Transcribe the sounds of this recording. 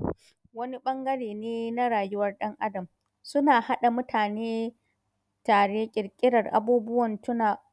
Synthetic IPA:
wɐ˦ni˦ɓɐ˦ŋɡɐ˦ɽeː˨neː˦na˦ɽaː˨jʊ˦wɐ˦rɗɐ˦ŋʔa˦dɐ˨m | sʊ˦naː˨ha˦ɗa˨mʊ˦tʰaː˨neː˦ | taː˨ɽeː˦kʲʼɪ˨rkʲʼɪ˦ɽɐ˨rʔa̰˦buː˦bʊ˦wɐ˨ntʊ˦naː˨

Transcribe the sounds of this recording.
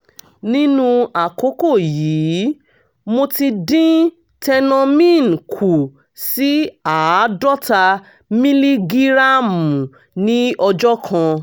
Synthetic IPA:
nĩ˦nũ˧a˨ko˨˦ko˦˨jiː˨˦ | mo˧ti˧dĩ˦ | tɛ˧nɔ̃˧mĩ˦˨n˨kʰu˨ | si˨˦a˨˦dɔ˦ta˧ | mĩ˦li˦ɡi˦ɾa˦˨mũ˨ | nĩ˦ɔ˧d͡ʒɔ˦kʰã˧

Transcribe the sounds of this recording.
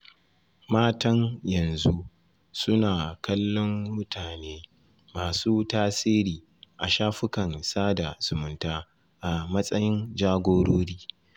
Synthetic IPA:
maː˦tɐ˦ŋjɐ˨nzu˦ʔ | sʊ˦naː˨kɐ˦lːɔ˦mːʊ˦tʰaː˨neː˦ | maː˨suː˦taː˦siː˦ɾiː˨ | ʔa˨ʃaː˦ɸʊ˦kɐ˨nsaː˦da˨z̥ʊ˨mʊ˨ntaː˦ | ʔa˨mɐ˦sʼɐ˦jɪ˦nd͡ʒaː˦ɡʷoː˦ɽoː˦ɽiː˦

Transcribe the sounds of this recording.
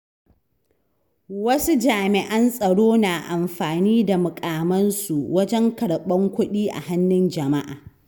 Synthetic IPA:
wɐ˦su˦d͡ʒaː˨mɪ˨ʔɐ˦nsʼɐ˨ɽoː˦naː˨ʔa˨mɸaː˨niː˦da˨mʊ˨kʼaː˨mɐ˦nsu˨wɐ˦d͡ʒɛ˦ŋkɐ˨ɽɓɐ˦ŋkʷʊ˦ɗiː˦ʔa̰˨ha˦nːɪ˦nd͡ʒɐ˨ma˦ʔa̰ː˨

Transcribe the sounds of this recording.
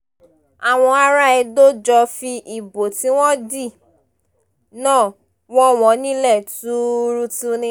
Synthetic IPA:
a˨w̃ɔ̃˧a˧ɾa˦ɛ˧do˦d͡ʒɔ˧fi˧ʔi˨bo˨tĩ˦w̃ɔ̃˦di˦˨ | nãː˦˨ | wɔ̃˦w̃ɔ̃˨˦nĩ˦lɛ˦˨tu˦ɾu˦tu˦nĩ˦

